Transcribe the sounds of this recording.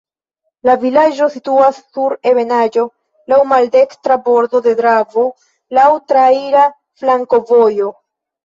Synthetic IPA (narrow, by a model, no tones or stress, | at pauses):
lavilad͡ʒo̞situasːuɾe̞ve̞nad͡ʒo̞ | lawmalde̞kstɾabo̞ɾdo̞de̞dɾavo̞ | lawtɾaiɾa | flaŋko̞vo̞jo